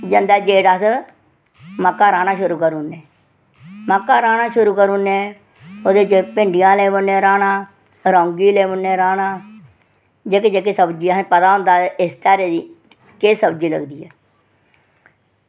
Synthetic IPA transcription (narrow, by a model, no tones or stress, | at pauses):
d͡ʒənd̪aɛːd͡ʒeːʈəs | məkːaːɾaːnaːʃʊɾuːkəɾuːneː | məkːaːɾaːnaːʃʊɾuːkəɾuːneː | oːd̪eːd͡ʒepẽːɳɖɪjãːleːbənːẽːɾaːnaː | ɾõːŋɡiːleːmənːeːɾaːnaː | d͡ʒeːked͡ʒeːkeːsəbd͡ʒiːpət̪aːɦʊ̃nd̪aːɪst̪aːɾeːd̪iː | keːsəbd͡ʒiːlə̰ɡd̪iːɛː